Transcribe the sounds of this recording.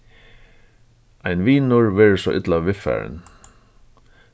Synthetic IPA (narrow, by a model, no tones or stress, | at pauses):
ʔæɪnʋiːnʊɹʋɛːɹsɔʔɪt̪lɑʋʋɪfæ̰ːɹ̰n